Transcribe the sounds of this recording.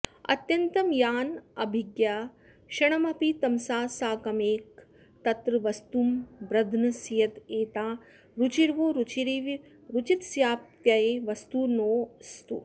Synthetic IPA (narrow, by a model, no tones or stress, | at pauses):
ɐ̰t̪jɐnt̪ɐmjaːnɐ̰bʱiɡjaː | ʃɐɳ̃ɐmɐpit̪ɐmsaːsaːkɐmeːk̚ | t̪ɐt̪ɾɐʋɐst̪uːmbɾɐd̪ʱnɐsijɐt̪eːt̪aː | ɾut͡ʃiɾʋuɾut͡ʃiɾiʋ | ɾut͡ʃit̪sjaːp̚t̪jajeʋɐst̪uːnoːst̪ṵ